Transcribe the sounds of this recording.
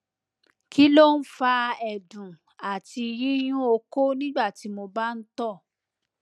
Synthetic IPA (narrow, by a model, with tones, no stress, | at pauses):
ki˦lo˦˨n̩˦fa˧ɛ˨dũ˨ | a˨ti˧jĩ˦j̃ũ˦o˧ko˦nĩ˦ɡ͡ba˦˨ti˨˦mo˧ba˦˨n̩˦tɔ˦˨